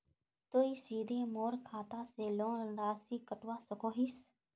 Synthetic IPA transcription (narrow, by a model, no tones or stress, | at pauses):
t̪oːiːsiːd̪ʱeːmoːɾkʰaːt̪ãːseːlõːɾaːsiːkəʈʋãːsəkoːɦiːs